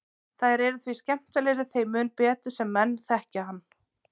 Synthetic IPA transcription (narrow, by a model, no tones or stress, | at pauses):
θaðɾɛɾʏθviscɛm̥t̪alɛɾʏθejmʏːnpɛːt̪ʏ̥sɛmːɛnːθɛhcahanː